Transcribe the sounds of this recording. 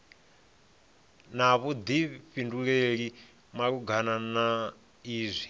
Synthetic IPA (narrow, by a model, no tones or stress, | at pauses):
naβud̪iɸinduɺeɺi | makuɡʱanana | iːzʷi